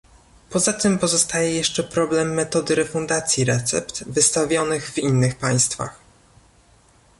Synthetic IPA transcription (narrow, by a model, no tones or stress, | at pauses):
pɔzat̪ɘmpɔzɔst̪ajɛjɛʂt͡ʂɛpɾɔblɛmːɛt̪ɔd̪ɘɾɛfund̪at̪sʲjiɾɛt̪sɛ̰pt̪vɘst̪avʲjɔnɘɣvinːɘxpaj̃st̪fa̰x